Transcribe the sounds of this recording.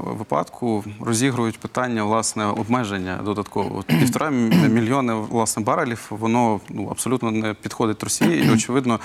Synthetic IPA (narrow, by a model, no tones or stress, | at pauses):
ʋɪpɑ̰t̪kʰʊrɔzʲiɦɾʊjʊtʲpɪt̪ɑnʲːɐʋlˠɑsnɛɔbmɛʒenʲːɐ̰d̪ɔd̪ɐt̪kʰɔʋɔ̰ɔ̰t̪pʲiwt̪ɔɾɑmʲilʲjɔnɪlˠɑsnɛbɑɾɐlʲiwʋɔnɔnuɐ̰psɔlʲut̪nɔnɛpʲid̪xɔd̪ɪt̪̚ʲɾɔsʲijiiɔt͡ʃɪʋɪd̪nɔ